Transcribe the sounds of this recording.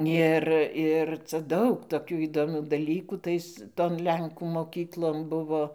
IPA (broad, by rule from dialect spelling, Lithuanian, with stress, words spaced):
ˈɪr ˈɪr t͡sɐ ˈdɐʊk toːˈkʲuː iːdoːˈmʲuː dɐˈlʲiːkuː ˈtɐɪs ˈtoːn ˈlʲɛŋkuː moːˈkʲiːklˠoːn ˈbʊʋoː